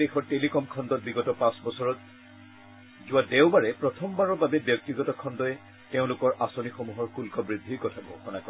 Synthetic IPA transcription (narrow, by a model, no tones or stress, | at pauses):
exɔɹtelikɔmkʰɔndɔt̚biɡɔtɔpãsbɔsɔɹɔt̚ | zʊwadeʊbaɹɛpɹɔtʰɔmbaɹɔɹbabɛbjɔk̚tiɡɔtɔkʰɔndɔɛ | teʊ̃lʊkɔɹʔasonixomuɦɔɹxulkɔbɹidʱːikɔtʰabɔxɔnakɔ